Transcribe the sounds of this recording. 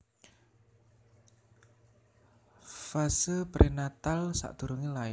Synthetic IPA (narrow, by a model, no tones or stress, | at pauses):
fasəpɾʔinat̪alsa̰ʔd̪̥ṳɾuŋilaɪ